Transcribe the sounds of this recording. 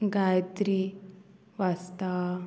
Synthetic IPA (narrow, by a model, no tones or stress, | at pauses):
ɡajt̪ɾi | ʋast̪a